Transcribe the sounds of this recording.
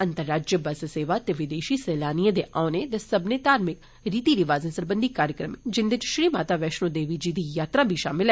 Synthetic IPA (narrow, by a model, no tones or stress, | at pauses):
ə̃nt̪əɾːaːd͡ʒjəbəsseːʋaːt̪eːʋɪd̪eːʃiːsɛːlaːniãd̪eːʔʔaːnet̪ɛsəbneːt̪aːɾmɪk | ɾiːt̪iːɾɪʋaːzẽsəɾbənd̪ikaːɾjəkɾəmed͡ʒɪnd̪ɪt͡ʃʃɾiːmaːt̪aːʋɛːʃnõːd̪eːʋid͡ʒiːd̪iːjaːt̪ɾaːbʱiʃaːmɪlɛ